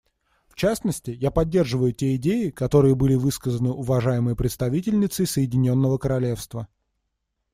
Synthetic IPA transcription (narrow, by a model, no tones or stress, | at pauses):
ft͡ɕasnəsʲtʲɪjapɐdʲːe̞rʐɨvəjʊtʲeɪdʲejɪkɐt̪o̞ɾɨjəbɨlʲɪvɨskəzənɨʔʊvɐʐajɪmɨjəpɾʲɪt̪st̪ɐvʲitʲɪlʲnʲɪt̪sɨsəjɪdʲɪnʲo̞nːəvəkəɾɐlʲe̞fst̪və